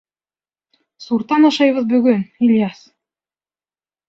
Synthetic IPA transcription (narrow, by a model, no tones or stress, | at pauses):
suɾt̪ɑnɑʃɑjβɤðbɵ̆ɡɵnilʲjɑs